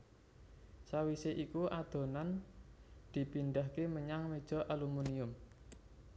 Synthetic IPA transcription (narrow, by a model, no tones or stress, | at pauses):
sawiseʔikuʔad̪̥o̤nan | d̪̥i̤pinɖahkeməɲaŋmed̥ʒ̥ɔ̤ʔalumuniʊm